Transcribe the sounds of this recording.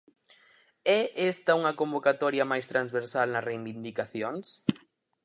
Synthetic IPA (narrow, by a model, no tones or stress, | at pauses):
ɛʔest̪ɐuŋɐkombokat̪ɔɾjɐmajst̪ɾanzβeɾsalnɐrejβind̪ikaθjoŋs